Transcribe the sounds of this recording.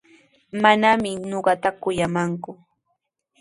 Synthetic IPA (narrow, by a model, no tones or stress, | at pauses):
manamɪnoɢɑt̪akʊjamaŋkʊ